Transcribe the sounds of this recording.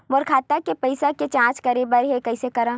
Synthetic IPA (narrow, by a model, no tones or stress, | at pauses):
mʊɾkʰaːt̪akepɐɪsaket͡ʃãːt͡ʃkɐɾebəɾɦekɐɪsekɐɾãː